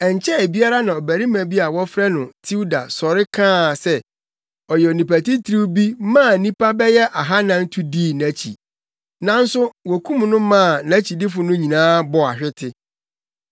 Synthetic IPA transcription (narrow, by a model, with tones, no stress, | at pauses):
ɛ˨ɲ˨t͡ɕʰɛ˦e˨bi˦a˦ɾa˦nã˨ɔ˨bæ˨ɾi˦mæ̃˨bi˦a˨wɔ˦fɾɛ˦nʊ̃˨tʰi˦u˦da̰˨sɔ˨ɾɪ˦kʰãː˦˨sɛ˦ | ɔ˨jɛ˨o˨nĩ˨pæ˨ti˦tʰɾi˦wbi˦mãː˦˨nĩ˦pa˦bɛ˦jɛ˦ʔa˨ɦa˦nã˨n̩˦tʰu˦diː˦˨næ̃˨˦t͡ɕʰḭ˨ | nã˦n̩˦sʊ˦wɔ˨kʰũ˦mnʊ̃˦mã˦˨næ̃˦t͡ɕʰi˨dɪ˦fʊ˨nʊ̃˦ɲĩ˨nãː˦bɔ˨a̰˨ɕᶣɪ˦tʰɪ˦